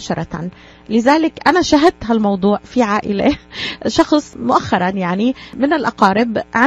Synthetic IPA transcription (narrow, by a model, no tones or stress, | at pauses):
ʃɑɾˤɑ | lɪzaːlɪkʔanaʃaɦad̪̚t̪ɦalmɑwd̪ˤuːʕfiʕaːʔɪleʃɑxsˤmʊʔaxːɑɾˤɑnjaʕnimɪnɪlʔɑqɑːɾɪbʕa